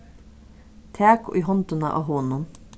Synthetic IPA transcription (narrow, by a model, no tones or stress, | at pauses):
t̪ʰæːkːʔiːhɔnt̪ʊnə̰ʔɑ̰ːɦoːnʊn